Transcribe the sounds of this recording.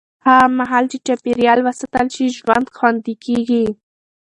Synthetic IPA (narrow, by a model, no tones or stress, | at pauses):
hamaɦɑlt͡ʃet͡ʃɑpiɾjɑlwasat̪alʃiʒwand̪xwɑnd̪ikeɡi